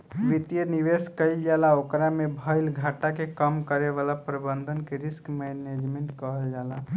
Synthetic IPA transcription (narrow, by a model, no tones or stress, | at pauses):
ʋit̪jəniʋeskəɪld͡ʒalaokɾamebʱəjlɡʱaʈakekəmkəɾeβalapɾəbənd̪ʱənkeɾiskmɛned͡ʒmeɳʈkəɦəld͡ʒala